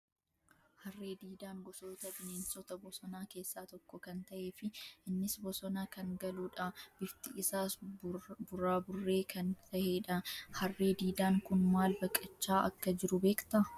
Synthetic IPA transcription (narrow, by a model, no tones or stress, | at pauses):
hɐrːe̞ːd̪iːd̪aːŋɡɔsoːt̪ɐbɪneːnsɔt̪ɐbɔsɔnaːke̞ːsːaːt̪ɔkːɔkɐnt̪ɐʔeːfɪʔɪnːɪsbɔsɔnaːkɐŋɡɐluːᶑɐb̥ɪft̪ɪʔɪsaːsbʊraːbʊrːe̞ːkʰɐnt̪ɐʔeːᶑɐhɐrːe̞ːd̪iːd̪aːŋkʊnmaːlbɐkʼːɐt͡ʃːaːʔɐ̰kːɐd͡ʒɪɾʊbe̞ːkt̪ɐ